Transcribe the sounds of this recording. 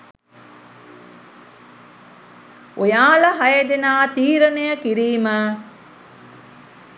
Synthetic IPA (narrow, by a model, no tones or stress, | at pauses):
ojaːləɦɐjed̪enaːt̪iːɾənejəkiɾiːmə